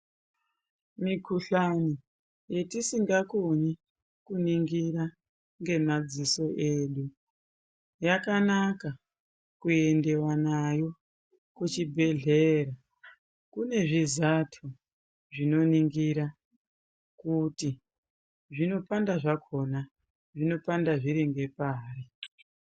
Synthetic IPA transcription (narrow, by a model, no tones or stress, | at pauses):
mikuɬani | je̞tisiŋɡakoɲi | kuniŋɡiɾa | ŋɡe̞mad͡ziso̞ʔeɗu | jakanaka | kue̞nde̞wanajo̞ | kut͡ʃibʱe̞ɮe̞ɾa | kune̞ʐizatʰo | ʐino̞niŋɡiɾa | kuti | ʐino̞pandaʐakʰo̞na | ʐino̞pandaʐiɾiŋɡe̞paːri